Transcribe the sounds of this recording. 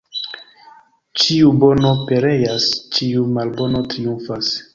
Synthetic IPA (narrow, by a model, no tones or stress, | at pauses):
t͡ʃiubo̞no̞pe̞ɾe̞jast͡ʃiumalbo̞no̞tɾiuɱfas